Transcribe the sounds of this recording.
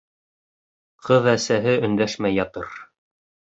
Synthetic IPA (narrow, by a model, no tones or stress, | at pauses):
qʰɤðæsæɦɘɵ̆nd̪æʃmæjːɑt̪ɤɾ